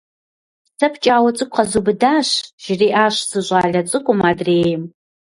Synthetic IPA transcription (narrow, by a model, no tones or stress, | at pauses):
sɐpʰt͡ʃʼaːwɐt͡sʼɨkʷʼqɐzubɨdaːɕʒ̥ɪriːʔaːɕsɨʑʷʼaːɮɐt͡sʼɨkʷʼʊmaːdreːjm